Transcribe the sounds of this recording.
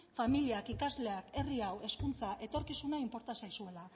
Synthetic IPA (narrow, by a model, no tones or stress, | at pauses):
familiakikazle̞ake̞riawe̞skunt͡saʔe̞t̪o̞ɾkisunaimpo̞ɾt̪asajsue̞la